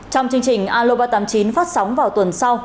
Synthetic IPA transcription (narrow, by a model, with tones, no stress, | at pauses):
t͡ɕɔ˧wŋ͡mt͡ɕɨ˧ə˧ŋt͡ɕï˨˩ŋ̟ʔaː˧lo˧ɓaː˧t̪aː˧˩mt͡ɕi˨˦nfaː˦˥t̚sɔ˨˦wŋ͡mvaː˨˩wt̪wə˨˩nsa˧w